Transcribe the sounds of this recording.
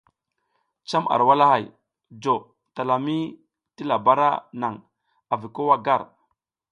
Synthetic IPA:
t͡ʃa˦mʔa̰˨ɾwa˦la˦ha˨j | d͡ʒo˨ | ta˨la˨mi˦ | ti˦la˨ba˦ɾa̰˦na˨ŋ | a˨vi˨ko˦wa˦ɡa˦˨ɾ

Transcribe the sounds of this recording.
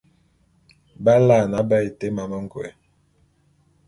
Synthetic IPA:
ba˦la˦˨na˦bə˦i˨te˦ma˨mə˦ŋ̩˦ɡwḛ˨

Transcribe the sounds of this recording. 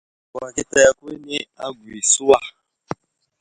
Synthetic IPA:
ka˨ɾa˨ki˦ta˦ja˦ku˦e˦ne˦a˦ɡwi˨su˦a˦˨

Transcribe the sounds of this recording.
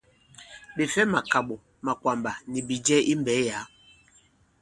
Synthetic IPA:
ɓe˨fɛ˦ma˨ka˨ɓo˨ | ma˨kwa˨mba˨ni˨bi˨d͡ʒɛ˦ʔi˦m˦bɛ˨˦ja˨˦

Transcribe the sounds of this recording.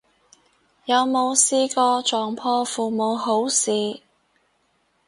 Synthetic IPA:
jɐ˨˧wmo˨˧wsiː˥kɔː˧t͡ʃɔː˨ŋpʰɔː˥fuː˨mo˨˧wɦo˨˥wsiː˨˧

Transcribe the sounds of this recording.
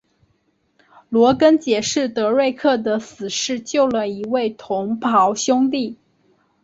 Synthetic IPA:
lwɔ˧˥kə˥nt͡ɕjɛ˨˩ʂɻ̩˥˩t̪ɤ˧˥ɻe˥˧ɪkʰɤ˥˩d̪ə˩sɹ̩˨˩ʂɻ̩˥˧t͡ɕjo˥˩ʊlə˩i˧˥we˥˩ɪt̪ʰʊ˧˥ŋpʰɑ˧˥ʊɕjʊ˥ŋt̪i˥˩

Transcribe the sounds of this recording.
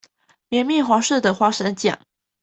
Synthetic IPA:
mjɛ˧˥˦nmji˥˩xwa˧˥ʂ̩˥˩d̪ə˨˩xwa˧˥ʂə˧˥nt͡ɕjɛ̰˨˩˦ŋ

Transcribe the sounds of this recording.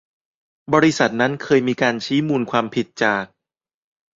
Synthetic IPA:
bɔː˧ɾi˦˥sa˨˩t̪̚na˦˥nkʰɤː˧jmiː˧kaː˧nt͡ɕʰiː˦˥muː˧nkʰwaː˧mpʰi˨˩t̪̚t͡ɕaː˨˩k̚

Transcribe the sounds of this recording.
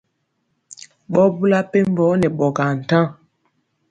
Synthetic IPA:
ɓɔ˦bu˦la˦pe˦m˦bɔ˨˦nɛ˨ɓɔ˨ɡa˨n̩˨tã˦ŋ

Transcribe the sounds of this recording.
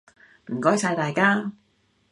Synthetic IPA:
m̩˨˩kɔː˥jsɐ˧jt̪aː˨jkaː˥

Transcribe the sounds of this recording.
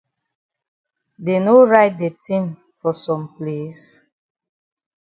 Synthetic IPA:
de˨no˦ɹa˦ɪt̚de˨tʰĩ˦m | fɔ˨sɔ̃˨mple˦s

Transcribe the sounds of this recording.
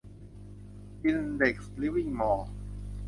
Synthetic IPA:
ʔi˧nde˨˩k̚sli˦˥wi˥˩ŋmɔː˧˩

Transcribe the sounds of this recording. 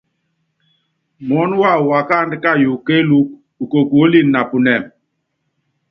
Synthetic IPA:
mɔ˨˦n˦wa˦˨wa˨ka˦˨ndka˦˨ju˨ke˦lu˦k̚ | u˨ko˨ko˦li˦na˨pu˨nɛ˨m

